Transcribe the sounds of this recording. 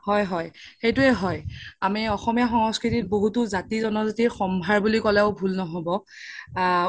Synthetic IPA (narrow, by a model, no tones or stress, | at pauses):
hɔjɦɔjxejtʊɛɦɔjamiɔxɔmijaxɔŋskɹitit̚boɦutʊzatizɔnɔzatiɹxɔmbʱaɹbulikɔlɛʊbʱulnɔɦobɔ